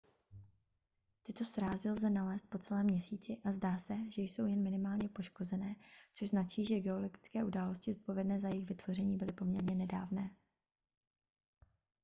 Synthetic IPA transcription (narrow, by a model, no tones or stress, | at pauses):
t̪ɪt̪o̞sɾaːzɪlzɛnalɛːst̪̚po̞t͡sɛlɛːmɲɛsiːt͡sɪʔazdaːsɛʒɛjso̞wjɛnmɪnɪmaːlɲɛpo̞ʃko̞zɛnɛːt͡so̞ʒznat͡ʃiːʒɛɡɛo̞loɡɪt͡skɛːʔudaːlo̞scɪzot̪̚po̞vjɛdnɛːzajɛɪxvɪt̪v̥o̞rɛɲiːbɪlɪpo̞mɲɛɾɲɛnɛda̰ːvnɛː